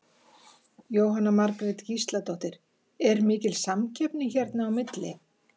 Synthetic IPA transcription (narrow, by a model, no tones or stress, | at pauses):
joːwɦanːamaɾkɾɪt̪cist̪lat̪ɔht̪ɪɾ̥ | ɛɾmɪːcɪlsamcʰɛpnɪçɛɾt̪naːwmɪt̪lɪ